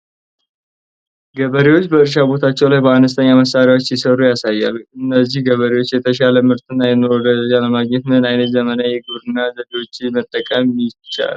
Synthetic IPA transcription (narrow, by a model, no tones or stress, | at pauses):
ɡəβəɾewot͡ʃːbəɨɾʃ̬abo̞t̪ʰat͡ʃːɛwlajbəanəst̪ʰəɲːaməsaɾjawo̞t͡ʃːjisərujasajːa̰luɨnːəzːihɡəβəɾewot͡ʃːjɛt̪ʰəʃaləmɨɾt̪ʰɨnːajɛnːɾod̪əaləmaɡɲɛt̪nnajnət̪zəmənajɛɡɨβɾɨnːazəɡ̪əwot͡ʃːmət̪ʼːəkʼəmɪt͡ʃːa̰l